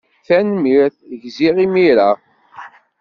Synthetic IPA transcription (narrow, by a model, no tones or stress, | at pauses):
θænmiɾθʝziʁimiɾa